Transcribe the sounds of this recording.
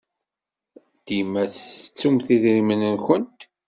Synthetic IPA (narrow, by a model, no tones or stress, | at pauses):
d̪̥imæθt͡sːumθiðɾimənənxənt̪